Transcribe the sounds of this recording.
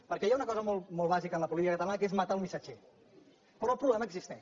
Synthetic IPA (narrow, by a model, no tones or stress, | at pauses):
pəɾkɛjaunəkɔzəmolˠmɔlˠβ̞azikənləpuliiəkət̪əlaəkezmat̪aəlˠmisad͡ʒɛ | pɾɔəlˠpɾuβlɛməɡzist̪ɛ